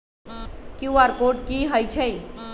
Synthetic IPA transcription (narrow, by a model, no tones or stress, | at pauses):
kjuʋaɾkoʈkiɦəjt͡ʃʰəj